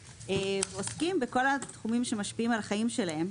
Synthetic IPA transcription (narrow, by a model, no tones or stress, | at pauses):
eveoskimbeko̞lat̪χumimʃe̞maʃpiimalaχajimʃe̞lahe̞m